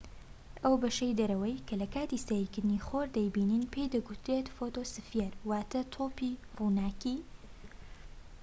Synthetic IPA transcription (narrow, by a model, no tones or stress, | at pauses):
ʔɐwbɐʃɐjd̪ɐɾɐwɐjkʰɐlɐkʰaːt̪isaɾikɨɾd̪ɨniχoɾd̪ɐjbiːninpʰejd̪ɐɡʊt̪ɾet̪fot̪osɨfjeɾwaːt̪ɐt̪ʰopiruːnaːki